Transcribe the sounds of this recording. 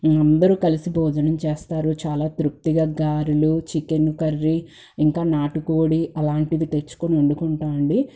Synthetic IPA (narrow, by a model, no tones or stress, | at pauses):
ɐnd̪ɐɾukɐlisibɔːd͡ʒ̪ɐnɐmt͡ʃeːst̪aːɾut͡ʃaːlaːt̪ɾuk̚t̪iɡaːɡaːɾulut͡ʃikenukɐrːi | iŋkaːnaːʈukoːɽiʔɐlaːɳʈid̪it̪et͡ʃːu̥koniɐɳɖukuɳʈaːɳɖi